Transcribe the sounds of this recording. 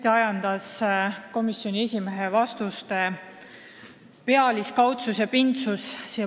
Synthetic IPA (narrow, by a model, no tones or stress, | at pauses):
t̪eɑjɑnd̪̥ɑsko̞misjo̞nʲie̞sʲime̞ɦevɑst̪ust̪e̞ | peɑliskɑwt̪susjɑpint̪sussi